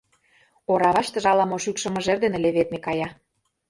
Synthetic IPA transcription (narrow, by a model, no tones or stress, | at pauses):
oɾɑβɑʃt̪ɤ̆ʒɑlɑmoʃykʃɤ̆mɤ̆ʒerd̪enĕlʲeβet̪̚mekɑjɑ